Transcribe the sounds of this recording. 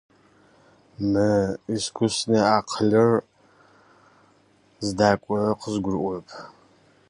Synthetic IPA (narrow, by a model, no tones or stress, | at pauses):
mɨiskʷʰʊsneːaːqʰəɮɐr | zɨdaːkʷʼɔqʰəzɡʷʊrʔʷʊpʰ